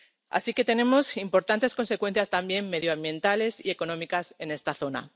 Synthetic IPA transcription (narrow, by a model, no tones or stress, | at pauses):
a̰sike̞t̪e̞nẽ̞mo̞simpo̞ɾt̪ant̪e̞sko̞nse̞kwe̞n̟θjast̪ambje̞mme̞ðjoãmbjẽ̞nt̪ale̞sie̞ko̞nõ̞mikase̞ne̞st̪aθo̞na̰